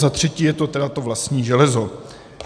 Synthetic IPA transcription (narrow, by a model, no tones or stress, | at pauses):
zat̪r̝̥ɛciːjɛt̪o̞t̪ɛdat̪o̞vlast̪ɲiːʒɛlɛzo̞